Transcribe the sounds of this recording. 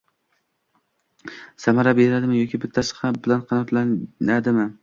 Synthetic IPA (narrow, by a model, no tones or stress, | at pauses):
samaɾabeɾɪnad̪ɪmɪjɒkʲʰɪbɪt̪ʰːasɪ̥χabɪlanqʰɑnat̪lanad̪ɪmɪ